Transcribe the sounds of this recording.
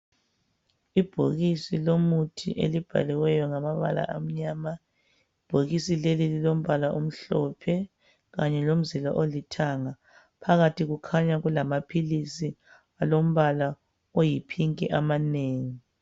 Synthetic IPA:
ib̥ʱo̰ɣisilomutʰḭʔḛlib̥ʱa̰liwɛjɔŋamaβa̰la̰ʔam̩ɲaːma | ib̥ʱoɣisilelililom̩βalaʔum̩ɬɔpʰɛ | ɣaɲɛlom̩zila̰ʔolitʰaŋa | pʰaɣatʰiɣukʰaɲaɣulamapʰilisi | alom̩βala | ojipʰiŋkʼiʔamaneːŋi

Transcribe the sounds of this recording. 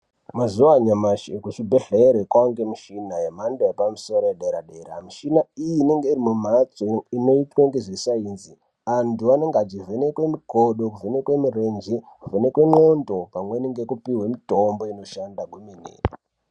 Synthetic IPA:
mazuwaɲamaʃekut͡ʃibʱeɬeɾekwaŋɡemiʃinajemandoepamiso̞ɾojeɗeɾaɗe̞ɾa̰miʃinaijiːneŋɡe̞irimum̤at͡soino̞itwaŋɡeʐisainzi | antuane̞ŋɡad͡ʒivʱenekwe̞miɡʱoɗokuvʱenekwe̞mirend͡ʒikuvʱenekwe̞ŋ͡ǃo̞ndo̞pamwe̞niŋɡe̞kupiɦwemitombo̞ino̞ʃandaɡwuminḛːi

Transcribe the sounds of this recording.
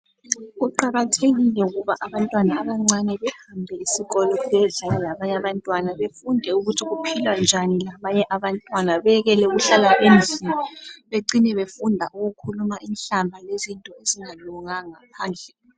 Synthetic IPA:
ɣuǃaɣatʰeɣilɛuɣuβaʔaβantʼwanaːβaŋ͡ǀanɛβɛhambʱɛisiɣɔlɔɛɮajɔlaβaɲaβantʼwanaβefundʱɛuɣutʰiɣupʰilwand͡ʒʱanilaβaɲɛʔaβantʼwanaβɛɣɛlɛuɣuɬalaʔenziniβeǀinɛβefundʱaʔuɣukʰulumaʔinɬambʱalezintʼɔeziŋaluŋaŋapʰaːnd͡ɮʱɛ

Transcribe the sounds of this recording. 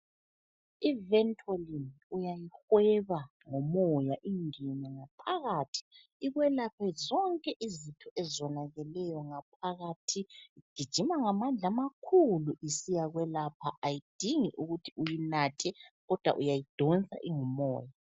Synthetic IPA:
ivɛntʰʼualiniujajixwɛβa | ŋɔmɔjaʔiŋɛnaŋapʰaɣaːtʰi̥ | iɣwɛlapʰɛzɔŋkʼɛʔizitʰɔʔɛzwɔnaɣɛlɛjɔŋap̚ʰaɣatʰiiɡ̥ʱid̥ʒ̥ʱimaŋamand͡ɮʱamakʰuluʔisijaɣwɛlapʰaʔajid̥ʱiŋiʔuɣutʰiujinatʰɛɣɔd̥ʱwa̰ʔujajid̥ʱɔnt͡sʼa̰ʔiŋɔmɔ̰ːja

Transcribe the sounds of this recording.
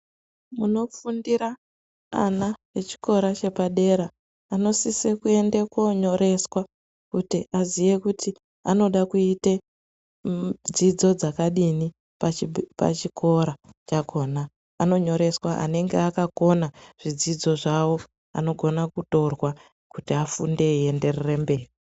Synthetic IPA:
muno̞fundiɾa | a̰naet͡ʃi̥ko̞ɾat͡ʃe̞paɗe̞ɾaː | no̞sisekue̞ndekoɲo̞ɾe̞swa | kutiʔazije̞kuti | ano̞ɗakuite | d͡zid͡zo̞d͡zakaɗini | papa̰t͡ʃikʰo̞ɾat͡ʃakʰo̞ːnaː | no̞ɲo̞ɾe̞swaʔa̰ne̞ŋɡeakako̞naʐ̥id͡zid͡zo̞ʐawo̞ | a̰no̞ɡʱo̞nakuto̞rwa | kutiafunde̞ie̞nde̞rere̞mbe̞ːri

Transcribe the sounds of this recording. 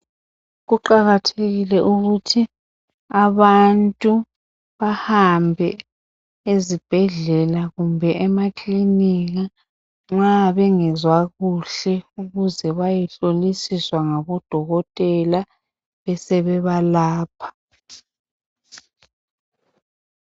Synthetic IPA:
ɣuǃaɣatʰeɣilɛʔuɣutʰi | aβantʼu | βahambʱɛ | ezib̥ʱɛɮɛlaɣumbʱɛɛmakʼliniɣa | ŋ͡ǁaβɛŋɛzwaɣuɬɛuɣuzɛβajɛɬolisiswaŋaβɔd̥ʱɔɣɔtʼɛla | βɛsɛβɛβalaːpʰḁ

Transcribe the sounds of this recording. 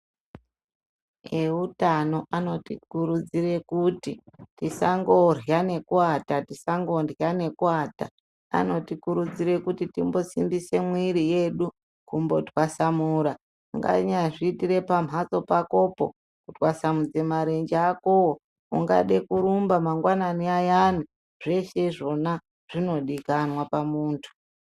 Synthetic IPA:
eutano̞ʔano̞tikuɾud͡zire̞kutitisaŋɡo̞rjane̞kuatatisaŋɡo̞ndjane̞kuaːta | a̰no̞tikuɾud͡ziɾe̞kutitimbo̞simbise̞mwiɾije̞ɗu | kumbo̞twasamuːɾa | ŋɡa̰ɲaʐiːtire̞pam̤ɦat͡so̞pako̞po̞̰ | kutwasamud͡ze̞maɾe̞nd͡ʒakowo | uŋɡa̰ɗekuɾumbamaŋɡwananiajanu | ʐ̥e̞ʃe̞ʐo̞na | ʐ̥ino̞ɗikanwapamuːntʰu̥

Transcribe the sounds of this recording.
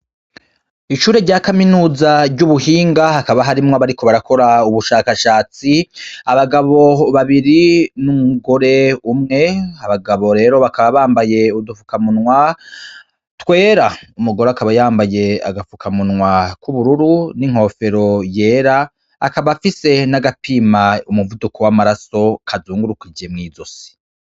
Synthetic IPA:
iʃuːɾe̞ɾɟaːkaminuːzaɾɟuβuhiːŋɡahakaβaɦaɾimŋoβaɾikʰo̞βaɾakʰo̞ɾauβuʃaːkaʃaːt͡siaβaɡaβo̞βaβiɾinumuɡo̞ɾe̞umŋe̞aβaɡaβo̞ɾe̞ːɾo̞βakaβaβaːmbaje̞udufukamunŋwa | twe̞ːɾaumuɡo̞ɾoakaβajaːmbaje̞a̰ɡafukʰamunŋwakuβuɾuɾuniŋ̥ho̞ːfe̞ɾo̞je̞ːɾaː | kaβafise̞naɡapʰimaumuvudukʰo̞wamaɾaso̞kʰazuːŋɡuɾukid͡ʒe̞mŋiːzo̞se̥

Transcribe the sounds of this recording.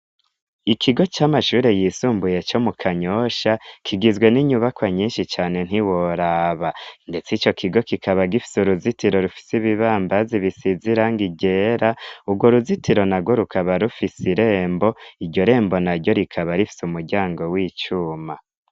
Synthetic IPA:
ikʰiɡo̞t͡ʃaːmaʃuːɾe̞jisuːmbuje̞t͡ʃo̞mukʰaɲo̞ʃakʰiɡizɡwe̞niɲuβakwaɲiːnʃit͡ʃaːne̞n̥hiwoɾaːβande̞t͡sit͡ʃo̞kʰiɡo̞kikʰaβaɡifi̥suɾuzitiɾo̞ɾufi̥siβiβaːmbaziβisiziɾaŋɡiɟe̞ːɾauɡwo̞ɾuzitiɾo̞naɡwoɾukʰaβaɾufisiɾe̞ːmbo̞iɾɟo̞ɾe̞ːmbo̞naɾɟo̞ɾikʰaβaɾifi̥sumuɾɟaːŋɡo̞wiːt͡ʃuːma

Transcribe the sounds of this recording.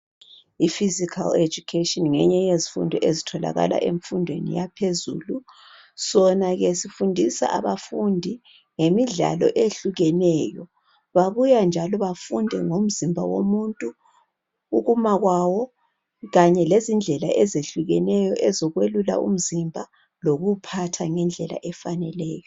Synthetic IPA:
ifizikʰa̰led͡ʒukʰetʼɔnŋɛɲɛjezifṵndʱɔʔezitʰɔla̰ɣa̰la̰ʔeɱfundʱwenḭjapʰezṵːlu | sɔnaɣesifundʱisa̰ʔaβafundʱi | ŋemiɮa̰lɔ̰ʔeɬuɣɛnɛːjɔ | βaβujand͡ʒʱalɔβafundʱɛŋom̩zimbʱawo̰muntʼu | uɣumaɣwawɔ | ɣaɲɛlezind͡ɮʱɛla̰ʔɛzeɬuɣɛnɛjɔʔɛzɔɣwelula̰ṵm̩zimbʱa | loɣupʰatʰaŋɛnd͡ɮʱɛla̰ʔɛfanɛlɛːjɔ

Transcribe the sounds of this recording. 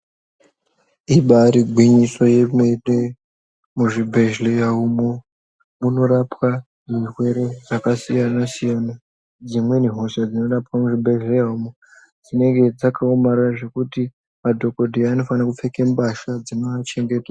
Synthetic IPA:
iɓaɾiɡʱwiɲiso̞je̞mene | muʐibʱe̞ʒlejaumo | muno̞ɾapwa | ʐirwe̞ɾe̞ʐakasijanasijana | d͡zimwe̞niɦo̞ʃad͡zino̞rapwamuʐibʱe̞ʒle̞jaumo | d͡zine̞ŋɡe̞d͡zakʰaomaɾaʐe̞kuti | madʱo̞ko̞dʱiaːno̞fanakufe̞kembaʃad͡zinoat͡ʃe̞ŋɡe̞ːta

